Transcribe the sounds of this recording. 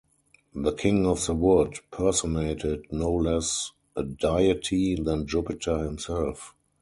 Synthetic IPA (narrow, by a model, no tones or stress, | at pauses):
ðəkʰɪ̃ŋɔfðəwʊdpʰɜ˞sɔneɪtʰɪdnoʊlɛs | ʔədaɪətʰiðæ̃nd͡ʒʊpɪtʰə˞hɪ̃msɛlf